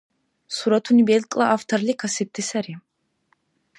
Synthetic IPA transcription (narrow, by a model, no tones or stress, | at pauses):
suɾat̪ʰunibɛlkʼlˠaʔaft̪ʰaɾlikʰasɛt̪̚ʰːisɛɾi